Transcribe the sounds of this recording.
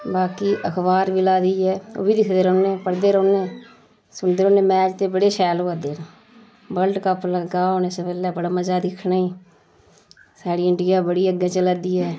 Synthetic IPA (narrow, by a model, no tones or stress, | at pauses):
baːkiːʔəkʰbaːɾʋɪlaːd̪iːɛːo̰ːbiːd̪ɪkʰd̪eːɾoːnẽːpəɽd̪eːɾoːnẽː | sʊɳd̪eːɾoːnẽːmɛːd͡ʒt̪eːbəɽeːʃɛːloːad̪eːɾã | bəlʈkəpləɡaːoːnẽːsəpɛːlɛːbəɽaːməd͡ʒaːd̪ɪkʰnaːiː | saːɽiːɪɳɖɪjaːbəɽiːəɡẽːt͡ʃəlaːd̪iːɦɛː